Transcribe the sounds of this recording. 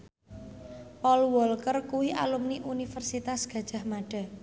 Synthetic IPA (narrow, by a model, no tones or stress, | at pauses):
pɔlwɔlkərkuwiʔa̰lumniʔunifərsit̪asɡ̥a̤d̥ʒ̥a̤hmaɖ̥a̤